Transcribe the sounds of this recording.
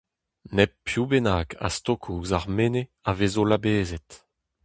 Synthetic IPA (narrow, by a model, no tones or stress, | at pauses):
nɛpːjubenaːkʰa̰st̪okʰuːzaʁmeneavezolabeːzɛt